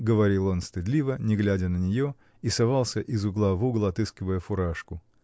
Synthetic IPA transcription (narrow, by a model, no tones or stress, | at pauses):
ɡəvɐɾʲilˠo̞nst̪ɨd̪lʲivənʲɪɡlʲædʲənənʲɪjo | isɐvalˠsʲəʔɪzʊɡlˠavuɡlˠəɐt̪ɨskʲɪvəjəfʊɾaʂkʊ